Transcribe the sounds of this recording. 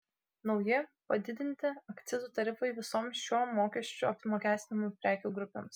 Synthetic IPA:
nɒʊjɪpɐd̪ʲɪd̪ʲɪnʲt̪ʲɪɐkt̪sʲɪzuːt̪ɐɾʲɪfɐɪʋʲɪsoːmsʃʲoːmoːkʲɛʃʲt͡ʃʲuɐpʲmoːkʲæːst̪ʲɪnʲɪmupʲɾʲæːkʲuːɡɾʊpʲḛːms

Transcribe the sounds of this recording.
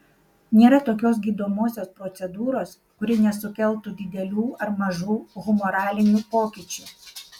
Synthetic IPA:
nʲeːɾɐt̪oːkʲoːsɡʲiːd̪oːmoːsʲoːspɾɔt̪sʲɛd̪uːɾoːs | kʊɾʲɪnʲɛsʊkʲɛlˠt̪uːd̪ʲɪd̪ʲɛlʲuːɐɾmɐʒuːɣʊmɔːɾɑːlʲɪnʲuːpoːkʲiːˑt͡ʃʲuː

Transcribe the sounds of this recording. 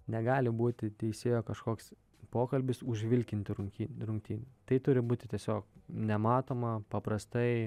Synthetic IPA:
nʲɛɡɑːlʲɪbuːt̪ʲɪt̪ʲɛɪsʲeːjoːkɐʃkoːks | poːkɐlʲbʲɪsʊʒʲʋʲɪlʲkʲɪnʲt̪ʲɪɾʊŋʲkʲiːnɾʊŋʲk̚ʲt̪ʲiːnʲt̪ɐɪt̪ʊɾʲɪbuːt̪ʲɪ̥t̪ʲiɛsʲoːk̚nʲɛmɑːt̪oːmɐpɐpɾɐst̪ɐɪ

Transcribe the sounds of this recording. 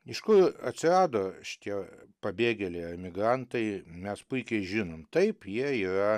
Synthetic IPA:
ɪʃkʊrɐt̪ʲsʲɪrɑːd̪oːʃʲɪ̥t̪ʲiɛpɐbʲeːɡʲɛlʲɛɪɐmʲɪɡrɐnt̪ɐɪmʲɛspʊɪkʲɛɪʒʲɪnoːmt̪ɐɪpjiɛiːɾɐ

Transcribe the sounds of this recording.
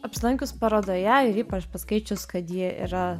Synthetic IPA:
ɐpʲsʲɪlˠɐŋʲkʲʊspɐɾoːd̪oːjɛɪɾiːpɐt͡ʃpɐskɐɪt͡ʃʲʊskɐt̪jiɛḭːɾɐ

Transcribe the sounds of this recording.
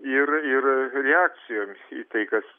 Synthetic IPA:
ɪɾɪrɾʲɛæːk̪̚t͡s̪ʲɪjoːmʲḭt̪ɐɪkɐs

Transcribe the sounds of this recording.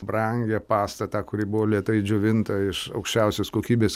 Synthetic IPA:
bɾɐŋʲɡʲɛpɑːst̪ɐt̪ɑːkʊɾʲibʊʋoːlʲiɛt̪ɐɪd͡ʒʲʊːʋʲɪnt̪ɐɪʃɐʊkʃʲt͡ʃʲɛʊsʲoːskoːkʲiːbʲeːs

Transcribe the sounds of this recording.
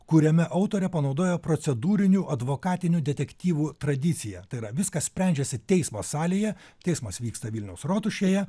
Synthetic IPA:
kuɾʲɛmʲɛʔɐʊt̪oːɾʲɛpɐnɒʊd̪oːjopɾoːsʲɛd̪uːɾʲɪnʲuːʔɐd̪ʋoːkɑːt̪ʲɪnʲuːd̪ʲɛt̪ʲɛkt̪ʲiːʋuːt̪ɾɐd̪ʲɪt̪sʲɪjɛt̪ɐɪiɾɐʋʲɪskɐsʲpʲɾʲɛˑnʲd͡ʒʲɛsʲɪt̪ʲɛɪsmɐsɑːlʲijɛt̪ʲɛɪsmɐsʋʲiːkst̪ɐʋʲɪlʲnʲɛʊsɾoːt̪ʊʃʲejɛ

